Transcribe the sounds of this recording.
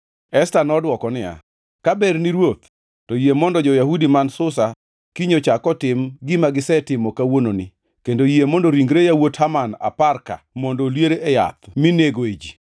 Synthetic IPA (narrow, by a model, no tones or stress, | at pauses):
ɛstanɔdwɔkɔnɪja̰ | kabɛrnɪɾwot̪ | tɔjemɔndɔd͡ʒɔjaɦudimansʊsa | kiɲot͡ʃakɔtɪmɡɪmaɡɪsɛtɪmɔkawononi | kendojemɔndɔɾiŋɡɾejawothamana̰parka̰mɔndolweɾeʔːja̰t̪̚mineɡoed͡ʒi